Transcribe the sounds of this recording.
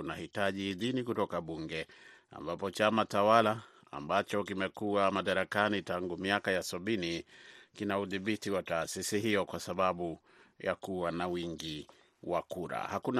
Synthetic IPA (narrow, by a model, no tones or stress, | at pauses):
nahitaʄihːðinikutɔkaɓuŋɡɛa̰mbapɔt͡ʃamatawala̰ː | mbat͡ʃɔkimɛkuamaɗaɾakanitaŋɡumiakajasaɓinikinauðiɓitiwataːsisiɦijɔkwasaɓaɓu | ja̰kuwanawiŋɡi | wa̰kuɾa̰hakun